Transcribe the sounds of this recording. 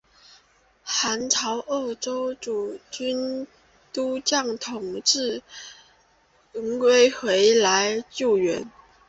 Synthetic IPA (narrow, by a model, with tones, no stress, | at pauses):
xa˧˥nʈ͡ʂʰɑ˧˥ʊʔo˥˩ʊʈ͡ʂo˥ʊʈ͡ʂu˨˩t͡ɕy˥n | t̪u˥t͡ɕjɑ˥˩ŋt̪ʰʊ˨˩ŋʈ͡ʂɻ̩˥˩ | ə˧˥ŋkwe˥ɪxwe˧˥ɪla˧˥ɪt͡ɕjo˥˩ʊɥɛ˧˥n